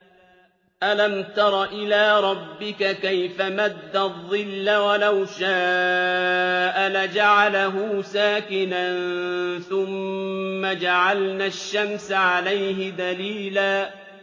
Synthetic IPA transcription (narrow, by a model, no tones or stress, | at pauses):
ʔalamt̪ɑɾˤɑʔɪlaːɾˤɑbːɪkakajfamad̪ːaðˤːɨlːawalawʃaː | ʔalad͡ʒaʕalaɦuːsaːkɪnanθʊmːad͡ʒaʕalnaːʃːamsaʕalajɦɪd̪aliːlaː